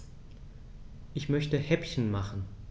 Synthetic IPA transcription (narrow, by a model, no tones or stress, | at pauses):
ʔɪçmœçtəhɛpçən̩maχn̩